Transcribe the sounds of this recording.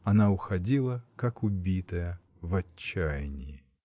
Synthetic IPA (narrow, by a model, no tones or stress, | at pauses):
ɐnaʊxɐdʲilˠəkakʊbʲit̪əjə | vɐːajnʲɪɪ